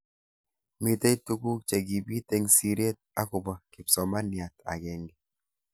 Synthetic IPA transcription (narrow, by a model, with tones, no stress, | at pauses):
mi˦te˦i˦tu˦ɡu˦k̚t͡ʃe˨ɡi˨bi˦te˦ŋsi˦ɾe˦t̚a˦ku˨ba˦kɪ˨psɔ˨ma˦nja˨ta̰˨ɡɛ˨ŋɡi˨